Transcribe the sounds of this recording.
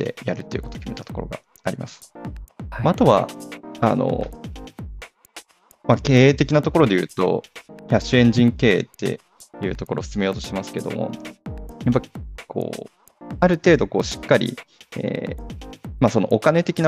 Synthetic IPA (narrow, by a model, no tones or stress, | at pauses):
t̪ːe̞̰jaɾɯ̟t̪ːe̞iɯ̟kot̪okʲime̞t̪at̪oko̞ɾo̞ɡa̰ | aɾʲimʔasɨ̥ | maat̪o̞βa̰a̰no̞̰ | make̞ːeːt̪e̞kʲinat̪o̞ko̞ɾo̞d̪e̞jɯ̟̰ːt̪o̞̰çaɕɨẽ̞ɲ̟d͡ʑĩŋke̞ːt̪ːe̞̰ | jɯ̟ːt̪o̞ko̞ɾʔo̞ːsɨ̥t͡sɨmejo̞ːt̪o̞ɕimasɨ̥ke̞d̪o̞̰mo̞̰ | jap̬ːaikʰo̰ː | aɾɯ̟t̪e̞ːd̪o̞ko̞ːɕi̥kːaɾʲḭḛː | maso̞no̞ʔokane̞t̪e̞kʲina